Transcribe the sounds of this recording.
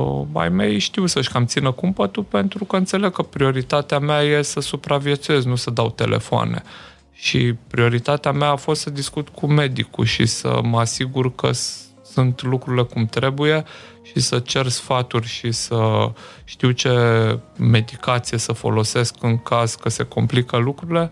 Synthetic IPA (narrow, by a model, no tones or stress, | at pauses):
ba̰jme̞jʃt̪iwsəʃkamt̪sinəkumpət̪upe̞nt̪ɾukəɨnt̪se̞le̞ɡ̚kəpɾio̞ɾit̪at̪eameaje̞səsupɾavje̞t̪suje̞znusəd̪awt̪e̞̰lʔe̞̰foa̰ne̞̰ | ʃḭpɾio̞ɾit̪at̪eameaːfo̞st̪səd̪iskut̪kʰume̞d̪ikṵʃḭsə̰məasiɡurkə̰ | sunt̪lukɾuɾile̞kumt̪ɾe̞buje̞ | ʃisət͡ʃe̞rsfat̪urʲʃisəʃt̪iwt͡ʃe̞ | me̞d̪ikat̪sije̞səfo̞̰lo̞se̞skɨŋkaz̥kəse̞komplikəlukɾuɾile̞